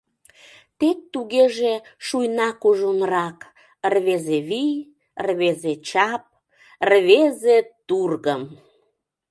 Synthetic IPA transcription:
t̪ek̚t̪uɣeʒeʃujnɑkuʒonɾɑk | ərβezeβij | rβezet͡ɕɑp̚ | rβezet̪urɣəm

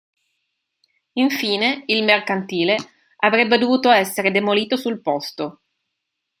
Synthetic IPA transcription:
iɱfiːneilmerkant̪iːle | avɾɛbːed̪ovuːt̪oɛsːeɾed̪emoliːt̪osulpɔst̪o

